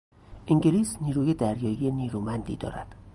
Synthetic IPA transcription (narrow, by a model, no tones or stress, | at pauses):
ʔiŋɟeliːsniːɾuːjed̪æɾjɒːjijeniːɾumænd̪ḭd̪ɒ̰ːɾæ̰d̪̥